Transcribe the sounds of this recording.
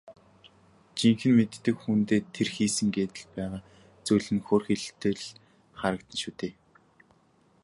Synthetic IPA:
t͡ɕiŋxɘ̆nmet̪ːɘ̆kxunt̪eːt̪ʰerxiːsɘ̆ŋɡeːt̪ɘ̆ɮpæːʁaː | t͡sujɮɘ̆nxoːrxeɮt̪eːɮ | χaɾə̆k̚t̪ə̆nʃut̪eː

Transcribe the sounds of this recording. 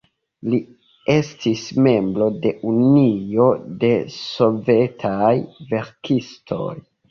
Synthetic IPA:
li | e̞stʰisme̞mbɾo̞de̞ʔunio̞de̞so̞ve̞tʰajve̞ɾkistʰo̞̰j

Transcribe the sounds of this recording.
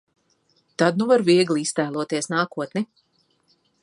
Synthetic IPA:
t̪ad̪̚nuvaɾviɛɡlˠiist̪æːlˠuɔt̪iɛsnaːkuɔt̪ni

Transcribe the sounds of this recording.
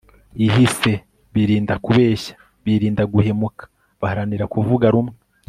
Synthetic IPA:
iɦise̞ | βiɾiːndakuβe̞ːçḁ | βiɾiːndaɡuhe̞mukḁ | βahaɾaniɾakuvuɡaɾumŋe

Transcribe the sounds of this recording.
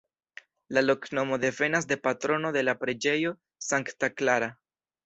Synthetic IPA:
lalo̞kno̞mo̞d̪e̞fe̞nas̬de̞patɾo̞no̞de̞lapɾe̞d͡ʒe̞jo̞ | saŋktaklaɾa

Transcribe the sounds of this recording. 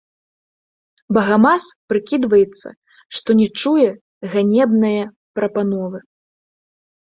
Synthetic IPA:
bɐɣamaspɾɨkʲid̪vɐjɛt̪sːɐ̰ | ʂt̪ɔnʲɛt͡ʂujɛ | ɣanʲɛbnɐjɐ | pɾɐpanɔvɨ

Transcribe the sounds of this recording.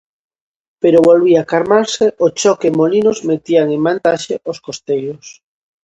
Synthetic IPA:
peɾoβolβiakaɾmaɾseʔot͡ʃɔkemolinozmet̪iaŋẽmmant̪aʃeoskost̪ejos

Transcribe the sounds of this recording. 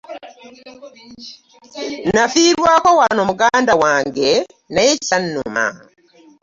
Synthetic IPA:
nafiɾwakowanomuɡaːndawaːŋɡe | naje̥sanːuma̰

